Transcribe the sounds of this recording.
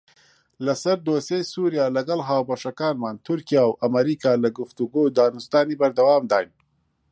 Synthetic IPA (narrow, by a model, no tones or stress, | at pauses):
lɐsɐɾd̪oːsejsuɾjaːlɐɡɐlɦaːwbɐʃɐkaːnmaːnt̪ʰʊɾkijaːwʔɐmɐɾikaːlɐɡʊft̪uɡowd̪aːnust̪aːnibɐɾd̪ɐwaːmd̪aːjn